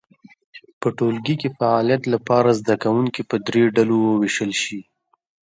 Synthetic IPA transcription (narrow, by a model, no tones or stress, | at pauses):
pəʈolɡikefaɑlijat̪lapɑɾazd̪akawuŋkipəd̪ɾeɖalowəweʃəlʃi